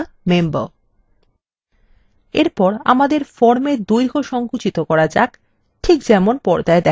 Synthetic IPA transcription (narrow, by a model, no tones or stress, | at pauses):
membə | ḛɾpɔɾa̰mad̪eɾfɔɾmed̪ujɾɡʱoʃɔŋkut͡ɕit̪okɔɾad͡ʑa̰k | ʈʰikd͡ʑɛmonpɔɾd͡ʑaed̪ɛ